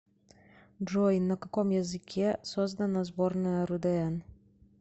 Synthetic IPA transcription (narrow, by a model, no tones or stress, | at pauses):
ʐɔjnɐkɐkɔmjɐzɨkʲʰɛsɔzd̪ɐnɐzbɔrnɐjɐɾud̪ɐɛn